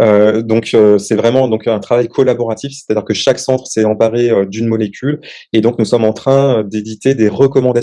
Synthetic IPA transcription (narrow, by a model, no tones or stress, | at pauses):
ød̪ɔ̃køsɛvʁɛmɑ̃d̪ɔ̃kɛ̃t̪χavajkʰɔlabɔʁat̪ifsɛ̥t̪ad̪iʁkəʃaksɑ̃t̪χsɛɑ̃paʁeød̪ynmɔlekʲʰyl | ed̪ɔ̃knusɔmɑ̃t̪χɛ̃ød̪ed̪it̪ed̪eʁəkɔmɑ̃d̪a